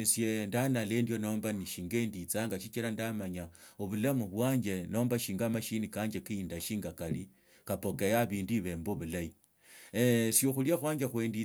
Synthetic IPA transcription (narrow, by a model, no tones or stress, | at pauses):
isjendanale̞ndjo̞no̞ːmbaniʃiːŋɡe̞ːndit͡saːŋɡaʃit͡ʃilandamaɲaoβulamuβwaːɲɡe̞no̞ːmbaʃiːŋɡamaʃinikaɲd͡ʒekiindaʃiːŋɡakali | kapo̞kejaβiːndiβe̞mboβulai | sjoxuljaxwaːɲd͡ʒexwe̞ːndi